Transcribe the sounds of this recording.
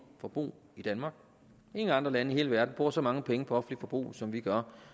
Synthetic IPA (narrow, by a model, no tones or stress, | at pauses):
fɒ̽b̥ʁṵː | id̥ænmɑ̈ːɡ̥ | e̝ŋəɑ̈nd̥ʁɐlænəihe̝ːləʋæɐd̥n̩b̥ʁuːɐsɒ̽mɑ̈ŋəpʰeŋəpʰɒ̽ɒ̽fn̩lifɒ̽b̥ʁṵːsɒ̽mʋiɡ̥ɶɐ